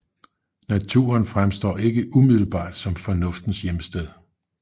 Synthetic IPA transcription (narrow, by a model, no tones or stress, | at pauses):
næt͡sʰṵːɐnfʁamsd̥ɒ̰ːe̝ɡ̥əʔumið̰ˠl̩b̥ɑ̰̈ːd̥sɒ̽mfɒ̽nɔ̽fd̥n̩sjeməsd̥eð̞ˠ